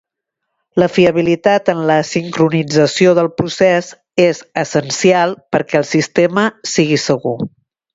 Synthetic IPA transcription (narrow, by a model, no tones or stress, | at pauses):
ləfiəβilit̪at̪ənləsiŋkɾunid͡zəsioðəlˠpɾusez | ezəsənsialˠpəɾkɛːlˠsist̪eməsiɣ̞isəɣu